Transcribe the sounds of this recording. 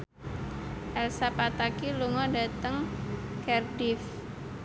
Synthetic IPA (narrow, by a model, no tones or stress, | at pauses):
ʔɛlsapat̪akiluŋɔda̤t̪əŋkɛrdif